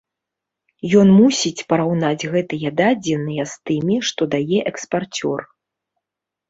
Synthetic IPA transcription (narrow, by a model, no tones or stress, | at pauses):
jɔnmusʲit͡sʲpɐɾawnad͡zʲɣɛt̪ɨjɐd̪ad͡zʲɪnɨjɐst̪ɨmʲiʂt̪ɔd̪ajɛʔɛkspart͡sʲɔ̰r